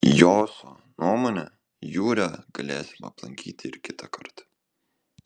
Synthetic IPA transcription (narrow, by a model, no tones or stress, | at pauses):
joːsoː | nuɔmoːnʲɛː | juːɾʲɛːɡ̥ɐlʲeːsʲɪmɐ̰plˠɐ̰ŋʲkʲḭːt̪ʲɪɪɾkʲɪt̪ɐkɐɾt̪